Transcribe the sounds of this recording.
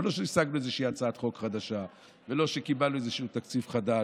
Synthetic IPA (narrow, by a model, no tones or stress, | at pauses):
lo̞ʃeisaɡnuezeʃiːat͡saat̪χo̞kχad̪aʃa | velo̞ʃe̞kibaluezeʃuːt̪akt͡sifχad̪a